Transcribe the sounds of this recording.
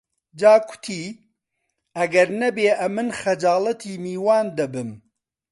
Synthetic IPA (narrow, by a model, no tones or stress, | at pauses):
d͡ʒaːkʰʷʊ̥t̪ʰiː | ɐɡɐɾnɐbeːʔɐmɨnxɐd͡ʒaːlˠɐt̪ʰiːmiːwaːnd̪ɐbɨm